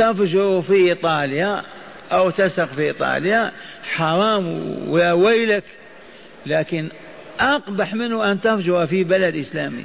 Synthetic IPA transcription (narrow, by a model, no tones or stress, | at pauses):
t̪afʒʊɾufiʔit̪ˤɑːlja | ʔawt̪asaqfiʔit̪ˤɑ̰ːljaħɑɾˤɑːmwɾawajlak | laːkɪn | ʔɑqbaħmɪnʊʔant̪afd͡ʒʊɾafibalad̪ʔəslaːmḭ